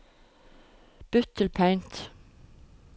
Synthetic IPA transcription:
b̥ʉt̪ʰəlpʰæɪnt̪

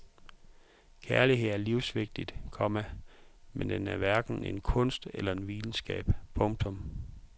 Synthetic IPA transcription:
kʰæɐliɦe̝ð̰ˠæɐliʊsʋe̝ɡ̥̚d̥id̥kʰɒ̽mæmend̥enæɐʋæɐɡ̥n̩e̝nkʰɔ̽n̰sd̥elɐe̝nʋiːln̩sɡ̥ɛ̰ːb̥pʰɔ̽ŋɡ̥̚t͡sʰɔ̽m

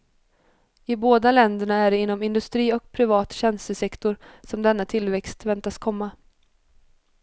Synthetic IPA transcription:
ɪboːd̪alɛnd̪əɳaæɖɛɪnːɔmɪnd̪ɵst̪ɾiːɔk̚pʰɾɪvɑːt̪ɕɛnst̪əsɛkt̪ʊɾsɔmd̪ɛnːat̪ʰɪlvɛkst̪vɛnt̪askʰɔmːa

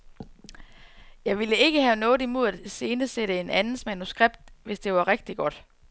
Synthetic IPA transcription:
jɑ̈ɪʋiləe̝ɡ̥əɦænɔ̽ːð̩ˠimo̝ð̞̰ˠæd̥se̝ːnəseɾ̥əe̝nænð̩ˠsmænusɡ̥ʁeb̥̚d̥̚ʋe̝sd̥e̝ʋɑ̈ʁeɡ̥̚d̥iɡ̥ɒ̽d̥

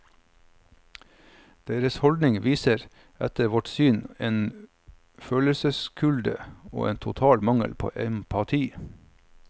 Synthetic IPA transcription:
d̪̥eːɾəshɔld̪nɪŋʋiːsəɾ | ɛt̪əʋɔʈsyːneːn | føːləsəskʰʉld̪əo̰ːʔeːnt̪ʰʊt̪ʰɑːlmɑŋə̰lpʰo̰ːʔɛmpʰɑt̪ʰiː

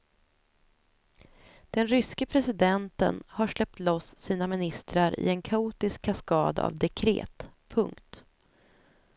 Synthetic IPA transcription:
d̪̥ɛnɾʏskəpʰɾɛsɪd̪ɛnt̪ə̰nhaʂlɛp̚t̪lɔsːiːnamɪnɪst̪ɾaɾɪ̰ɛnkʰauːt̪ɪskʰːaskɑːd̪a̰a̰vd̪ɛkʰɾḛːt̪pʰɵŋkt̪

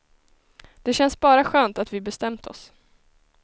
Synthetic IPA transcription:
d̪̥ɛɕɛnsbɑːɾaɧøːnt̪at̪vɪbɛst̪ɛmt̪ʰɔ̰s

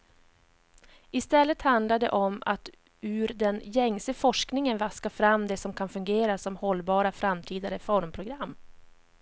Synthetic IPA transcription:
ɪst̪ɛlːət̪hand̪laɖɛ̰ʔɔma̰t̪ | ʉ̟ːɾd̪ɛnjɛŋsəfɔʂknɪŋənvaskafɾamːd̪ɛsɔmkʰanfɵŋɡeːɾasɔmhɔlːbɑːɾafɾamːt̪ʰiːd̪aɾəfɔɾmpʰɾʊɡɾamː

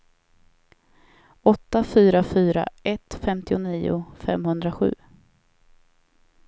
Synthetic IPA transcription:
ɔt̪ːafyːɾafyːɾa̰ɛt̪ːfɛmt̪ɪʊniːʊ̰fɛ̰mhɵnd̪ɾaɧʉ̟ː

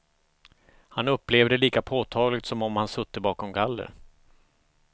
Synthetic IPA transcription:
hanɵpːleːvd̪əliːkapʰoːt̪ʰɑːɡlɪɡ̚t̪sɔmɔmhansɵt̪ːəbɑːkɔmɡalːə̰ɾ

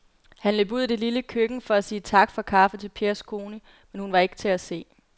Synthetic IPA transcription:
hænløb̥uð̞̰ˠid̥e̝liləkʰøɡ̥n̩fɒ̽æsiːt͡sʰɑ̈ɡ̥fɒ̽kʰɑ̈fət͡sʰe̝lpʰeɐskʰo̝ːnə | menhunʋɑ̈e̝ɡ̥t͡sʰe̝æse̝̰ː

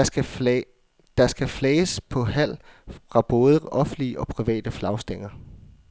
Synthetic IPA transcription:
d̥ɑ̈sɡ̥æfleːəspʰɒ̽ɦæl̰fʁɑ̈b̥ɔ̽ːð̞ˠəʔɒ̽fn̩liəʔɒ̽pʰʁiʋɛ̰ːd̥əflɑ̈ʊsd̥eŋ̰ɐ

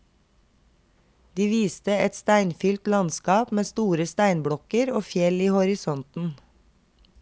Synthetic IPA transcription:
d̪̥iːʋiːst̪əɛt̪st̪æɪnfʏlt̪lɑnskɑːpmeːst̪uːɾəst̪æɪnbɽɔkəɾoːfjɛliːhɔɾɪsɔnt̪n̩

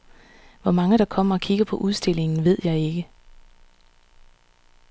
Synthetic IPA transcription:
ʋɒmɑ̈ŋəɾ̥ɑ̈kʰɒ̽m̰ɐɒkʰiɡ̥ɐpʰɒ̽ʔuð̞ˠsd̥e̝le̝ŋn̩ʋe̝ð̞̰ˠjɑ̈ɪe̝ɡ̥ə

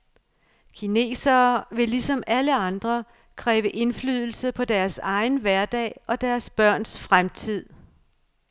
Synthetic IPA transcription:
kʰine̝̰ːsɐːʋe̝lisɒ̽mæləɑ̈nd̥ʁɐ | kʰʁɛːʋəʔe̝nflyð̞̰ˠl̩səpʰɒ̽d̥æɐsɑ̈ɪnʋæɐd̥ɛ̰ːɒ̽d̥æɐsb̥ɶɐ̰nsfʁamt͡sʰið̞̰ˠ

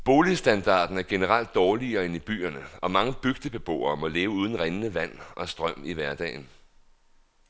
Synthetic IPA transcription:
b̥o̝ːlisd̥ænd̥ɑ̰̈ːd̥n̩æɐɡ̥e̝nəʁal̰d̥̚ːɒːliɐːe̝nib̥y̰ːɐnəɒ̽mɑ̈ŋəb̥yɡ̥̚d̥əb̥e̝b̥o̝̰ːɐːmɒ̽le̝ːʊuːð̞ˠn̩ʁenənəʋæn̰ʔɒ̽sd̥ʁɶm̰iʋæɐd̥ɛ̰ːɪn

